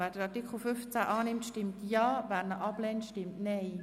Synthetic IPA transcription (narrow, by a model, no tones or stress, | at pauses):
vɛːd̥əɾɑtɪkʰχl̩fʏft͡sæʔɑːnɪmtʃtɪmtjɑːvæːɾnəʔɑb̥lɛːntʃtɪmtnɛɪ